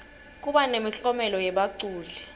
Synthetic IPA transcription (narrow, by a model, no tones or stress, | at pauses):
k̬ʼuɓanemiɬʼɔmɛlɔjɛɓaǀuːlɛ